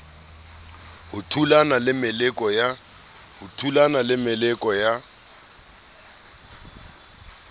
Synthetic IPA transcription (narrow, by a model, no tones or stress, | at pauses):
hʊtʰulanalɪmɪlɛkʼɔja | hʊtʰulanalɪmɪlɛkʼɔja